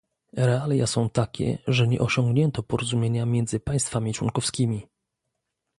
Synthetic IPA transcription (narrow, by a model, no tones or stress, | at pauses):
ɾɛalʲjasɔ̃w̃t̪akʲɛ̰ʐɛɲɛ̰ʔɔɕɔ̃ŋɡɲɛnt̪ɔpɔɾɔzumʲjeɲamʲjɛnd̪zɘpãj̃st̪famʲit͡ʂwɔ̰ŋkɔfskʲimʲi